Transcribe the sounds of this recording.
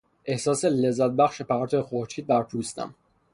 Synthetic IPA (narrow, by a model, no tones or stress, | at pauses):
ʔe̞hsɒːselezːæt̪̚bæχʃepʰæɾt̪ʰoexoɾt͡ʃʰiːd̪̚bæɾt̪ʰuːst̪æ̰m